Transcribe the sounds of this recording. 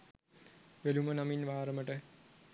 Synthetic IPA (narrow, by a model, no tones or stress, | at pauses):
ʋelumənaminʋaːɾɐməʈə